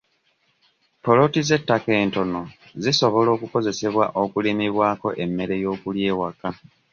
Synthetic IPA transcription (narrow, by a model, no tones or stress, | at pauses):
po̞lo̞tize̞tːake̞ːnto̞no̞ | ziso̞βo̞lo̞ːkuko̞ze̞se̞βwaʔokulimiβwaːko̞̰ʔe̞mːe̞ɾe̞jo̞ːkulje̞ːwaka